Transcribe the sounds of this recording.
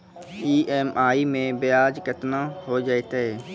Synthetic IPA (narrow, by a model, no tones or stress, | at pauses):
iːʔɛːmʔaːimẽbɪjaːd͡ʒkət̪naɦod͡ʒaːet̪aɦɛː